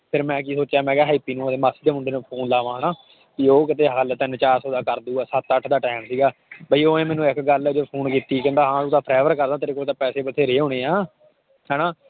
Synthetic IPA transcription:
pʰɪɾmɛ̃ːk̬iːsoːt͡ʃːjaːmɛ̃ːɡɛːɦaːipːiːnũːd̪eːmaːsiːd̪eːmʊɳɖeːnũːpʰoːnlaːʋãːɦənãː | t̪iːoːk̬ɪt̪eːɦəlt̪ɪnt͡ʃaːɾsoːd̪aːkəɾd̪uːaːsət̪əʈʰːd̪aːʈɛːmsiːɡaːbəiːoːẽːmɛːnũːɪkɡəld͡ʒoːpʰoːnkiːt̪iːkɛ̃nd̪aːɦãːt̪ũːt̪ãːpʰɾɛːʋəɾkəɾd̪ãːt̪ɾɪkoːt̪ãːpɛːseːbət̪ʰeːɾeːɦõːɽ̃eːaː | ɦɛːnaː

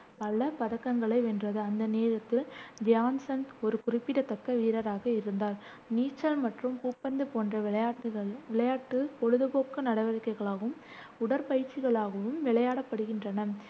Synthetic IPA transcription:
pɐɭːɐpɐðɐkːɐŋɡɐɭɐɪʋɛndrɐðɯɐnd̪ɐneːɾɐt̪ːɪld͡ʒjaːnsɐnt̪ɔɾɯkʊrɪpːɪɽɐt̪ːɐkːɐʋiːɾɐɾaːɣɐɪɾɯnd̪aːɾ | niːt͡ʃːɐlmɐʈrɯmkuːpːɐnd̪ɯpoːndrɐʈːɣɐɭʋɪɭɐjaːʈːɯkɔɻɯðɯpoːkːɯnɐɽɐʋɐɾɪkːɐɪɣɐɭaːɣɯm | ʊɽɐɾpɐjɪɾt͡ʃːɪɣɐɭaːɣɐʋɯmʋɪɭɐjaːɽɐpːɐɽɯɣɪndrɐnɐ

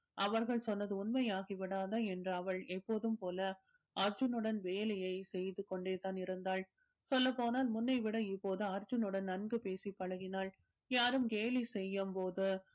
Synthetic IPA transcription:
ʔɐʋɐɾɣɐɭsɔnːɐðɯʊnmɐjaːɣiʋɪɽaːðɐɛndrɯɐʋɐɭɛpːoːðɯmpoːlɐ | ʔɐɾd͡ʒɯnɯɽɐnʋeːlɐjɐɪsɛjðɯkːɔɳɖeːt̪aːnɪɾɯnd̪aːɭ | sɔlːɐpːoːnaːlmʊnːɐɪʋɪɽɐɪpːoːðɯɐɾd͡ʒɯnɯɽɐnnɐnɡɯpeːsipːɐɻɐɣɪnaːl | jaːɾɯmkeːlisɛjːɐmpoːðɯ

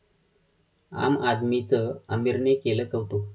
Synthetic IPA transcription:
a̰mad̪mit͡səəmiɾnekeləkəwt̪o

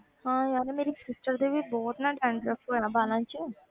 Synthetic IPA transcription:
hãːjaːnemeːɾisɪsʈəɾd̪ebʱibɔːt̪naɖɛ̃ːɳɖɾəkuɛabaːlãːt͡ʃi

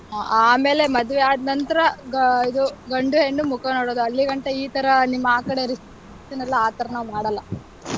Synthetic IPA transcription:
aʔaːme̞ːle̞mɐd̪uʋeaːd̪nɐnt̪ɐɾɐɡid̪uɡɐɳɖueɳːumukɐnoːɽoːd̪uɐlːiɡɐɳʈeiːt̪ɐɾɐnimːɐaːkɐɽe̞ɾis | t̪inɐlːɐaːt̪ɐɾɐnɐmaːɽɐlːɐ

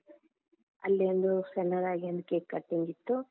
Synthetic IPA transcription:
ɐlːeɐnd̪usɛnːɐd̪aːɡiɐnd̪ukeːkkːɐʈːiŋɡit̪ːu

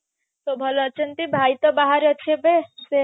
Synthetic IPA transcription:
t̪obʱʌlot͡ʃənt̪ibʱajt̪ɔbaɦaɾət͡ʃʰebese

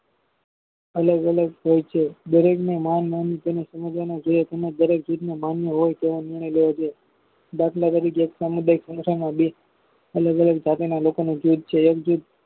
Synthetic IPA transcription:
ələɡələɡɦojt͡ʃʰed̪əɾeknemanmant̪enesəməd͡ʒ̪anod͡ʒojet̪emẽd̪əɾek̚d͡ʒud̪nemanjəɦojt̪eʋonɪɾɳ̃əjleʋod͡ʒoe | d̪aʈʰlad̪əɾikeeksəmud̪ʱajksə̃ŋsaɾnabi | ələɡələɡ̚d͡ʒat̪enalokonũd͡ʒud̪̚t͡ʃʰeəkd͡ʒud̪̚

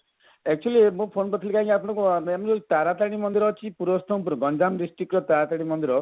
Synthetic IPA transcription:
ek̚t͡ʃuɔlimũpʰonpɔt̪ʰilikaɦĩkiapɔɽ̃ɔ̃kumemɔot̪aɾat̪aɽ̃imɔnd̪iɾɔt͡ʃʰipuɾɔst̪ʰɔm̃puɾɔɡɔnd͡ʒamɖisʈɾikɾɔt̪aɾat̪aɽ̃imɔnd̪iɾɔ

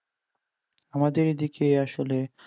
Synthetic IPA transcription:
amad̪eɾd̪ikeaʃole

